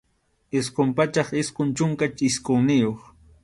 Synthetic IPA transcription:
ɪsqʊmpat͡ʃɑχɪskʊnt͡ʃʊŋkat͡ʃɪskoŋnɪjoχ

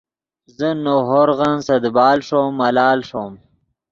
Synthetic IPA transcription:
zənoɦoɾɣansɐd̪bɑːlʂomːɐlɑːlʂom

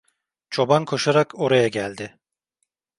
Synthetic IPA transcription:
t͡ʃʰo̞bankʰo̞ʃaɾako̞ɾajaɟælʲd̪ɪ

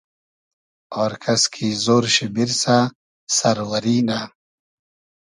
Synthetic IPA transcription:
oːɾkʰɐskʰizoːɾɕibiɾsa | sɐɾwɐɾiːna

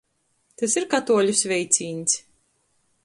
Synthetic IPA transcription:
t̪asiɾkat̪uɔlʲusvʲɛjt̪sʲiːnʲsʲ

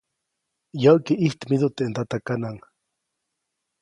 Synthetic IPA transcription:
jawkiʔiht̪mid̪ut̪eʔnt̪at̪akanaŋ

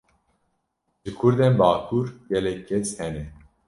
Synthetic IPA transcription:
ʒ̥ɨkʰʊɾd̪enbaːkʰuɾɡɛlɛkʰːɛshɛnɛ

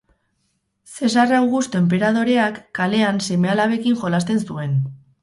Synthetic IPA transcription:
se̞s̬arawɣust̪oe̞mp̬e̞ɾað̞o̞ɾe̞akːale̞anse̞me̞alaβekiŋʝo̞last̪e̞nsue̞n

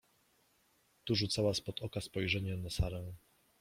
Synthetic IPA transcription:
t̪uʐut̪sawaspɔt̪ɔkaspɔjʐɛɲɛnasaɾɛ̃

